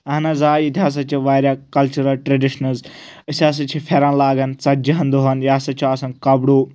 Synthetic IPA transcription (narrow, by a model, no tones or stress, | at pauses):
ɐnɐzaːit̪ʰaːs̬ɐt͡ʃʰiʋaːɾʲjakɐlt͡ʃuɾɐlʈɾɐɖiʃnɐzəsaːs̬ɐt͡ʃʰifʰeɾãnlaːɡɐnt͡sɐd͡ʒɐɦɐnd̪oɦɐnjaːsɐt͡ʃʰoɐsɐnkɐbɽoː